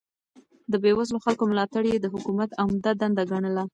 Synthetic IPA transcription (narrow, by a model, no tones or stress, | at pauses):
d̪əbewazloxalkomlɑt̪aɽjed̪əɦʊkumat̪amd̪ad̪and̪aɡaɳəla